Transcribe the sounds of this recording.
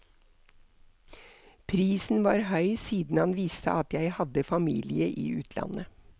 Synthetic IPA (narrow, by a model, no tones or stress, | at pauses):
pʰɾiːsn̩ʋɑːɾhœʏsiːd̪n̩hɑnʋiːst̪ʰə̰ʔɑt̪jæɪhɑd̪əfɑmḭːlɪəʔḭːʉːt̪ʰlɑ̰nə